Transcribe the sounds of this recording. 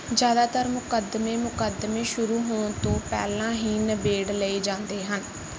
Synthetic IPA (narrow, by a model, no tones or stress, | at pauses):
d͡ʒjaːd̪aːt̪əɾmʊkəd̪meːmʊkəd̪mẽːʃʊɾuːɦoːɳt̪õːpɛ̰ːlãːɦiːnəbeːɽləiːd͡ʒãːnd̪eːɦən